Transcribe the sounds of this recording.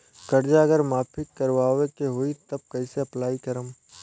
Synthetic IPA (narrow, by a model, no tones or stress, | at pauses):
kɐɾd͡ʒaɐɡəɾmaːpʰɪkːɐɾʋaːwekeɦoːit̪ɐb̚kɐɪseɐplaːikɐɾəm